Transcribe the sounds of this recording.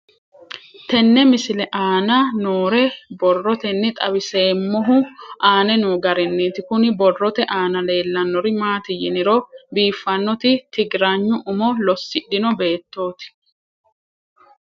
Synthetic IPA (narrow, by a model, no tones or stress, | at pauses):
t̪ɛnːɛmɪsɪlɛʔaːnɐnoːɾɛbɔrːɔt̪ɛnːɪt̪ʼɐbɪseːmːɔɦʊaːnɛnuːɡɐɾɛnːeːt̪ɪkʊnɪbɔrːɔt̪ɛʔaːnɐle̞ːlːɐnːɔɾɪmaːt̪ɪjɪnɪɾɔbiːfːɐnːɔt̪ɪt̪ɪɡɾaːɲːʊʔʊmɔlɔsːɪɗːɪnɔbe̞ːt̪ːo̞ːt̪ɪ̥